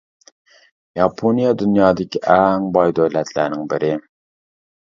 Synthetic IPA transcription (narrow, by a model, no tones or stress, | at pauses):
jɑpʰonijɑd̪ynjɑːd̪ɪkʲʰiʔɛŋbɑjd̪øwlɛt̪ʰlæ̰ɾnɪŋbɪɾʔɪ